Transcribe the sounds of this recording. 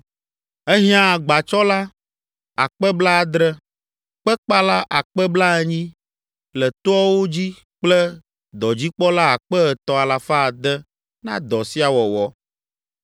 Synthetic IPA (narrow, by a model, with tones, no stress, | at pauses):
ɛ˦ɦĩ˦ã˦˨ɡ͡ba˨t͡ʃɔ˦la˦ | a˨k͡pɛ˦bla˦a˨d̪ɾɛ˦ | k͡pɛ˦k͡pa˦la˦ʔa˨k͡pɛ˦bla˦ɛ˦ɲĩ˦ | lɛ˨t̪o˦ɔ˦wo˦d͡ʑi˦ | k͡plɛ˦ | d̪ɔ˨d͡ʑi˦k͡pɔ˦la˦a˨k͡pɛ˦ɛ˨t̪ɔ˨a˨la˨fa˦˨d̪ɛ˦ | nã̰˦d̪ɔ˨si˦a˨wɔ˨wɔ˦